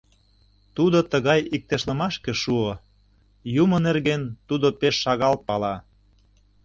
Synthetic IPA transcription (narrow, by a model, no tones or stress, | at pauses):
t̪ud̪ot̪əɣɑjik̚t̪eʃlə̆mɑʃkĕʃuo | jumə̆nerɣent̪ud̪opeʃːɑɣɑl̚pɑlɑ